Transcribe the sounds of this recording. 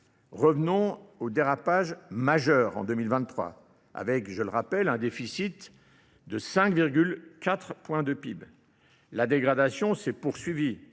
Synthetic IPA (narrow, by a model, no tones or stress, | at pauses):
ʁəvnɔ̃od̪eʁapaʒmaʒœʁɑ̰̃d̪ømilvɛ̃t̪ːχwa̰ | a̰vɛkʒələʁapɛlɛ̃d̪efisit̪ | d̪əsɛ̃kviʁɡʲylkat̪χpwɛ̃d̪əpib | lad̪eɡʁad̪asjɔ̃sɛpuʁsɥivi